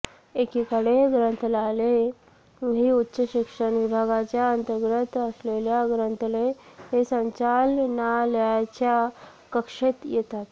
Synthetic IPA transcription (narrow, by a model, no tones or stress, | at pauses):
ekikəɽeɡɾənt̪əlale | ɦiːutːɕəɕikʂənʋibʱaɡat͡ɕjaənt̪əɾɡɾət̪əsleljaɡɾənt̪əleɦesə̃ɲt͡ɕalnaləat͡ɕja | kəkʂet̪jɛt̪at̪